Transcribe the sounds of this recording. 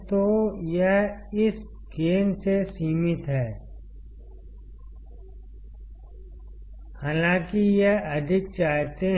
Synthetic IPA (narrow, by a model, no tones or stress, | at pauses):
t̪ojeɦɪs | ɡeːnsesiːmɪt̪ɦɛː | haːlãːkijeɦɐd̪ʱɪk̚t͡ʃaːɦt̪e